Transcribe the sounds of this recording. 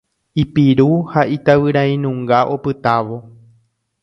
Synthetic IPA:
ipiɾuhaʔit̪aʋɨɾãĩnũŋɡaʔopɨt̪aʋo̞

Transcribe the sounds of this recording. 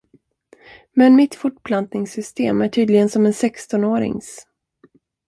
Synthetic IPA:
mɛnmɪt̪fʊʈpʰlant̪nɪŋsʏst̪eːmæʈʰyːd̪lɪɡənsɔmɛnsɛkst̪ɔnoːɾɪ̰ŋs

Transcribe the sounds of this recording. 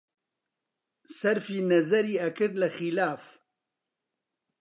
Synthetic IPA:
sɐɾfiːnɐzɐɾiːɐkɨɾlɐxilaːf

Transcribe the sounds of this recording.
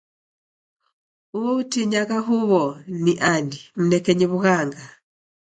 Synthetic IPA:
uɔutiɲaɣaɦuβɔniʔandim̩nɛkɛɲiβuɣaŋɡa

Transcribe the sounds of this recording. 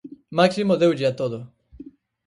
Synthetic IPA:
maksimoðewd͡ʒiat̪oðo

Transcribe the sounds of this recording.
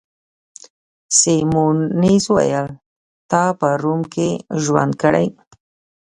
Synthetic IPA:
semuniswa̰jəl | t̪ɑpəɾumkʰeʒwa̰nd̪̚kəɽa̰j

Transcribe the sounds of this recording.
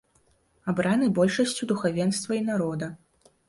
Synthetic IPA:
abɾanɨbɔlʲʂɐsʲt͡sʲud̪uxavʲɛnst̪vɐinaɾɔd̪ɐ

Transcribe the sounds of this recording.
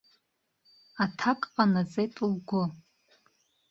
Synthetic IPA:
atʰakʼqʼanat͡sʼejtʼlɡʷʊ

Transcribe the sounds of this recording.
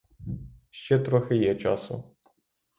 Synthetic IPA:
ʃt͡ʃɛt̪ɾɔxɪjɛt͡ʃɑ̰sʊ̰

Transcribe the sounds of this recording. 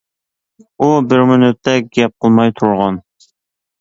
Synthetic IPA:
ubɪɾmynyt̪ʰːɛɡʲɛp̚qʰəlˠmɑjt̪ʰuɾʁɑn

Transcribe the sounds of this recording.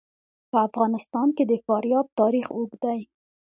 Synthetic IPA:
pəafɣɑnɪst̪ɑnked̪əfɑɾjɑb̚t̪ɑɾixoɡd̪aj

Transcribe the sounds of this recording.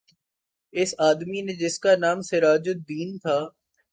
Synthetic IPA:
ɪsaːd̪minẽd͡ʒɪskanaːmsɪɾaːd͡ʒʊd̪iːnt̪ʰaː

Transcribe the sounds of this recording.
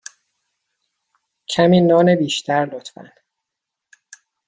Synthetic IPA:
cʰæmiːnɒːnebiːʃt̪ʰæɾlot̪ʰfæ̰n

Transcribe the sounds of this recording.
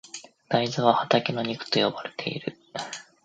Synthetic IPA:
d̪̥aizɨβ̞ahat̪akʲino̞ɲ̟ikɯ̥t̪o̞jo̞baɾe̞̥t̪ʰe̞̰ḭɾɯ̟̰

